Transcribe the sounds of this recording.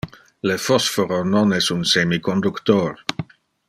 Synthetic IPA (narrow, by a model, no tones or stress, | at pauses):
ləfɔsfoɾonɔnɛsunsemikond̪ukt̪or